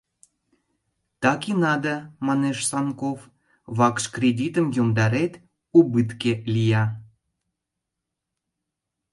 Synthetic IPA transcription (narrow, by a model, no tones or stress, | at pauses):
t̪ɑkinɑd̪əmɑneʃsɑnkof | βɑkʃkrʲedʲit̪əmjomd̪ɑɾet̪ | ubɨt̪kelʲijɑ